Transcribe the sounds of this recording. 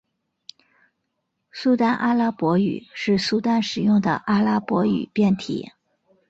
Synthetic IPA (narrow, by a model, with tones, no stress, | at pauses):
su˥t̪a˥˧nʔa˥la˥pwɔ˧˥y̰˨˩ʂɻ̩˥˧su˥t̪a˥˩nʂɻ̩˨˩jʊ˥˩ŋd̪ə̰˩ʔa˥la˥pwɔ˧˥y̰˨˩pjɛ˥˩nt̪ʰḭ˨˩˦